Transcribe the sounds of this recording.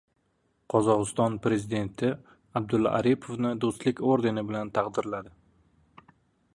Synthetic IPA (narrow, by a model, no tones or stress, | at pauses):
qʰɒzɒʁɨst̪ɒnpɾe̞zid̪e̞nt̪ʰɪ | ab̚d̪ʊlːɒ̰ʔaɾipʰovnɪd̪ost̪lɪkʲoɾd̪e̞nɪbɪlant̪ʰɑqd̪ɪɾlad̪ɪ